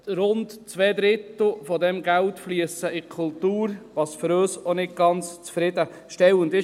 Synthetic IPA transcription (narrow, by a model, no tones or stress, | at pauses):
ɾʊndt͡sʋɛːd̪ɾɪt̪l̩ˠfɔd̪ɛmɡæltfliəsəɪkʰʊltuːɾʋɑːsføɾøːsonɪt̚ɡ̥ɑnt͡st͡sfɾɪd̥̪ə | ʃtɛwəndɪ